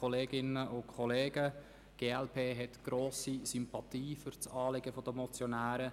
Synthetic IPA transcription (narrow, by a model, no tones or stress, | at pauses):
oleːɡɪnəʔʊkʰɔleːɡə | ɡ̥eːɛlpʰeːɦɛtɡ̥ɾoːsisympɑt̪iːfʏɾt͡sɑːlɪɡəfɔd̪əmɔt͡sjonæːɾə